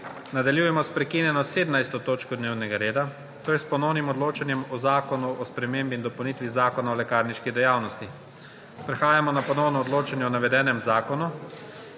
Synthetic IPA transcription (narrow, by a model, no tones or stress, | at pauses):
nad̪aljuːjɛmɔspɾɛkinjɛnɔseːd̪najst̪ɔt̪oːt͡ʃkɔd̪neːwnɛɡaɾeːd̪a | t̪oːjɛspɔnɔwnimɔd̪loːt͡ʃanjɛmɔzaːkɔnuɔspɾɛmeːmbind̪ɔpɐwnit̪ʋizaːkɔnaɔlɛkaːɾniʃkid̪ɛjaːwnɔst̪i | pɾɛxaːjamɔnapɔnɔwnɔɔd̪loːt͡ʃanjɛɔnaʋɛd̪ɛːnɛmzaːkɔnu